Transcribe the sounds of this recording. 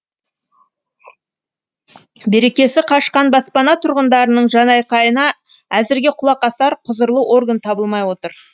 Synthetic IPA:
be̞ɾe̞kʲe̞sɪqʰɑʃqɑnbɑspɑnɑt̪ʰʊɾʁənd̪ɑɾənəɴʒɑnɑjqɑjənɑ | æzɪɾɡʲe̞qʰʊlˠɑqɑsɑɾqʰʊzəɾlˠəʔo̞rɡant̪ʰɑbəlˠmɑjwo̞t̪əɾ

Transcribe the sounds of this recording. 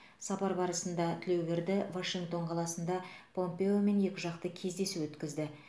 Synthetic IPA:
sɑpɑɾbɑɾəsənd̪ɑt̪ʰɪle̞wbʲeɾd̪ɪvaʃiŋɡt̪o̞ɴqʰɑlˠɑsənd̪ɑpʰo̞mpe̞o̞me̞nje̞kʲɪʒɑqt̪əkʲʰe̞zd̪e̞suwɵt̪kʲɪzd̪ɪ

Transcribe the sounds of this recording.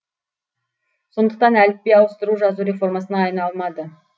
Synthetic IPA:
so̞nd̪əq̚t̪ɑnælɪp̚pːejɑwəst̪əɾuʒɑzuɾʲe̞fo̞rmɑsənɑːjnɑlˠmɑd̪ə

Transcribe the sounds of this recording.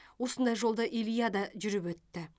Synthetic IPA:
wo̞sənd̪ɑjʒo̞lˠd̪əʔilijad̪ɑʒʏɾɪpwɵt̪ːɪ

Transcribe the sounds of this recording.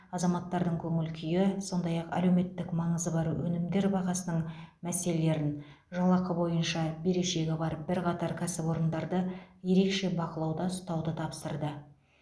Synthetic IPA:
ɑzɑmɑt̪ːɑɾd̪əŋkʲʰɵŋɪlkʲʰʏjɪso̞nd̪ɑjɑqæ̰le̞wme̞t̪ːɪkmɑɴəzəbɑɾwɵnɪmd̪e̞ɾbɑʁɑsənəɴmæse̞le̞le̞ɾɪn | ʒɑlˠɑqəbo̞jənʃɑbe̞ɾe̞ʃe̞ɡʲɪbɑɾbɪɾqʰɑt̪ɑɾkʲʰæsɪbwo̞ɾənd̪ɑɾd̪əje̞ɾe̞kʃe̞bɑqəlˠɑwd̪ɑʊst̪ɑwd̪ət̪ʰɑpsəɾd̪ə

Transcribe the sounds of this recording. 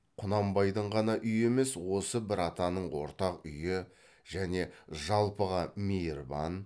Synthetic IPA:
qʰʊnɑmbɑjd̪əɴʁɑnɑʔʏje̞me̞swo̞səbɪɾɑt̪ɑnəɴwo̞̰ɾt̪ɑqʏjɪ | ʒ̥æne̞ʒɑlˠpəʁɑmejɾbɑ̰n

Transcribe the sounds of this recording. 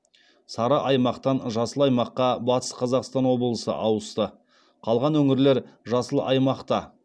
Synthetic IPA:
sɑɾəʔɑjmɑqt̪ɑnʒɑsəlˠɑjmɑqːɑbɑt̪ə̥sqʰɑzɑqst̪ɑnwo̞bəlˠəsə̰ʔɑwəst̪ə | qʰɑlˠʁɑnwɵŋɪɾleɾʒɑsəlˠəʔɑjmɑqt̪ɑ

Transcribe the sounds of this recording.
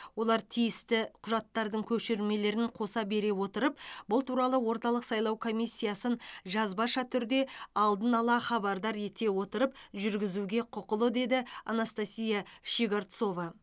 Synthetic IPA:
wo̞lˠɑɾt̪ʰijɪst̪ɪqʰʊʒɑt̪ːɑɾd̪əɴkʲʰɵʃeɾme̞le̞ɾɪɴqʰo̞sɑbe̞ɾe̞wo̞t̪əɾəpbʊlˠt̪ʰuɾɑlˠəwo̞ɾt̪ɑlˠəqsɑjlˠɑwkʰo̞mijsʲːijasənʒɑzbɑʃɑt̪ʰʏɾd̪e̞ɑlˠd̪ənɑlˠɑχɑbɑɾd̪ɑɾe̞t̪e̞wo̞t̪əɾəp̚ʒʏɾɡʲɪzuɡʲe̞qʰʊqəlˠəd̪e̞d̪ɪɑ̰nast̪asʲijɑʃiɡaɾt̪so̞vɑ

